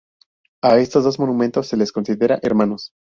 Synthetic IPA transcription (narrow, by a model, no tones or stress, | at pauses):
ae̞st̪o̞zðo̞zmo̞numẽnt̪o̞sːe̞le̞sko̞nsiðeɾaʔeɾmãno̞s